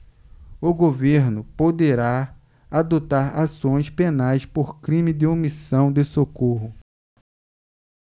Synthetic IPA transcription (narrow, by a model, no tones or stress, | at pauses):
ʊɡoveɾnʊpod̪eɾa | ad̪ot̪aɾasõj̃spenajspoɾkɾĩmɪd̪ɪomisɐ̃w̃d̪ɪsokoɦʊ